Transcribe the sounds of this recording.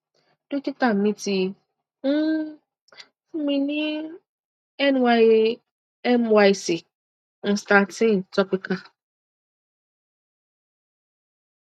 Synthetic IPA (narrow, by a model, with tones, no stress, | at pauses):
d̥u˦ki˦ta˨mĩ˦ti˨˦ | mĩ˨ni˦ | ɛ˦n˨wa˦j | ɛ˦mwa˦si˨ | n̩˨sta˨tĩ˦˨ntɔ˦pi˦ka˦˨